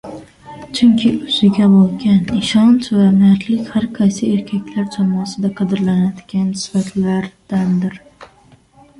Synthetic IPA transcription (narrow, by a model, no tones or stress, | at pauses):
t͡ʃʰʊŋkʲʰɪʊzɪɡʲabolˠɡʲanɪʃɒnt͡ʃvamɪat̪ʰlɪkʲhaɾqʰɑjsɪeɾkʲʰakʲlaɾd͡ʒʰɒmɒsɪd̪aqʰɑd̪ɪɾlanad̪ɪɡʲansɪ̥fat̪ʰlaɾd̪̥and̪ɪɾ